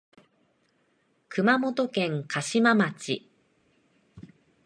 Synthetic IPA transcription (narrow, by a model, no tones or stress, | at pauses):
kɯ̟mamo̞t̪o̞kẽ̞ŋkʰaɕimamat͡ɕḭ